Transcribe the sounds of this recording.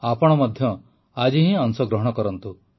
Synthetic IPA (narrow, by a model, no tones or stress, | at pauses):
apɔɽ̃ɔmɔd̪ʱjɔ | ad͡ʒiɦĩɔŋsɔɡɾɔɦɔɽ̃ɔkɔɾɔnt̪u